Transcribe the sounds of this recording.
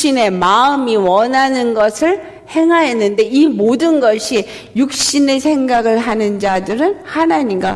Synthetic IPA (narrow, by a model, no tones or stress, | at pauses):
ine̞maɯmiwʌnɦanɯnɡʌsʰɯɭ | he̞ŋɦaɦenːɯnde̞imodɯnɡʌɕʰi | juk̚ɕ͈ine̞sʰe̞ŋɡaɡɯɭɦanɯnd͡ʑadɯɾɯnhanaɲiŋɡa̰